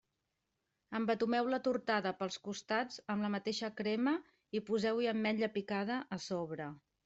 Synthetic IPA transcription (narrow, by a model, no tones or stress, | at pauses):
əmbət̪umɛwlət̪uɾt̪aðəpəlˠskust̪ad͡zəmləmət̪eʃəkɾɛmə | ipuzɛwiəmːɛʎʎəpikað̞əʔːsoβɾə